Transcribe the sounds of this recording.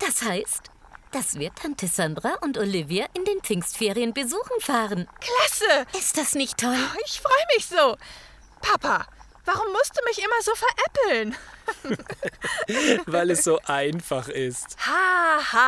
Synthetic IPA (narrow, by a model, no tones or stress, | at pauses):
d̥ashaɪst | d̥asv̥iːɐtʰantʰəzandʁaʔʊntoliviaʔɪndeːnpɪŋstfeːʁijənbəzuːxn̩faːʁənkl̥asəʔɪst̚d̥asnɪçtʰːɔlɪçfʁ̥ɔʏəmɪçz̥oː | pʰapa | v̥aʁʊmːʊst̚d̥uːmɪçʔɪmɐzoːfɛɐʔɛpl̩n | vaɪlɛsz̥oːʔaɪnfaχɪsthaha